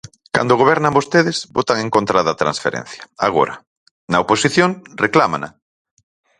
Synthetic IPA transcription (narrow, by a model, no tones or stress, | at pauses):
ka̰nd̪oɣ̞oβɛɾnambost̪eðezbot̪aŋẽŋkont̪ɾaðat̪ɾã̰nsfḛɾḛ̃n̟θjaaɣ̞o̰ɾa | nɐoposiθjoŋreklama̰na̰